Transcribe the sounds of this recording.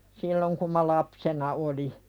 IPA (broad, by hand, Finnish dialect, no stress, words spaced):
silːoŋ kum mɑ lɑpsenɑ oli